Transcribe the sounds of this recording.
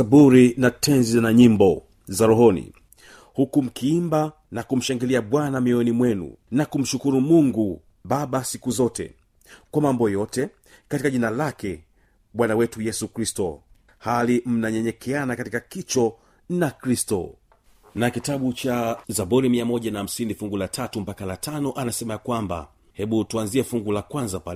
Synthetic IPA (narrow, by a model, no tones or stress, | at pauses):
abuɾinatʰɛnziznaɲimbɔ | zaɾɔɦɔnḭ | hukum̩kʰiimba | nakum̩ʃaŋɡiliaɓwanamiɔnimwɛnṵnakum̩ʃukuɾumuŋɡu | ɓaɓasikuzɔtɛ̰ | kwamambɔjɔtɛ | katikaʄinalakɛ | ɓwanawɛtujɛsukɾistɔ | halim̩naɲɛɲɛkʰɛanakatikakit͡ʃɔ | nakɾistɔ̰ | nakitaɓut͡ʃazaɓɔɾimiamɔʄanaham̩sinifuŋɡulatʰatum̩pakalatʰanɔʔanasɛmajakwamba̰ | hɛɓutuanziɛfuŋɡulakwanzapalɛ